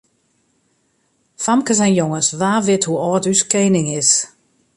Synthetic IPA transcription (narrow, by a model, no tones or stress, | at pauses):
famkəsɛjnjoŋəsʋaːʋɪthuɔːtyskejnɪŋɪs